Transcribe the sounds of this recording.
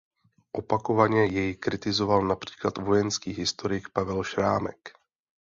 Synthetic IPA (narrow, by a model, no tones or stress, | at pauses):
ʔopakovaɲɛjɛjɪkɾɪt̪ɪzo̞valnapr̝̥i̥ːklat̪vo̞jɛnskiːɦɪst̪oɾɪkpavɛlʃɾaːmɛ̰k